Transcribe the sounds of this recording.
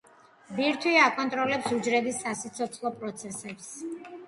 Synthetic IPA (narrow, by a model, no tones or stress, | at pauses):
biɾt̪ʰwiakʼɔnt̪ʼɾɔlɛpsud͡ʒɾɛbisːasit̪sʰɔt̪sʰlˠɔpʼɾɔt̪sʰɛsɛps